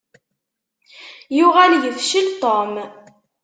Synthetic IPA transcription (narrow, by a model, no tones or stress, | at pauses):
jʊʁæljəfʃilt̪ˤom